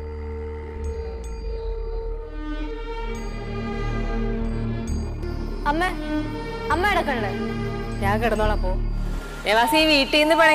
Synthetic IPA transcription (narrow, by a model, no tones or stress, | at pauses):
ɐmːe | ɐmːeɐɽɐkːɐɳːɐɽe | ɲaːŋkɐɽɐnːoːɭapːoː | eːʋaːsiʋiːʈːienːɨpɐɳɐ